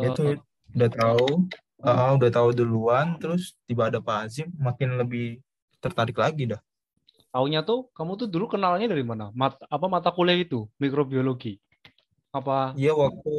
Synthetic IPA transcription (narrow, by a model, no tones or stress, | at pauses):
jau | udaht̪au | əudat̪auduluant̪əɾʊst̪ibaːdapaːsɪmakɪnləbɪh | t̪ərt̪aɾɪklaɡidah | t̪auɲat̪ʊkamut̪̬ʊdulukənalaɲadaɾimanamat̪aːpamat̪akulɛhit̪umikɾobioloɡi | apaijawak̚t̪u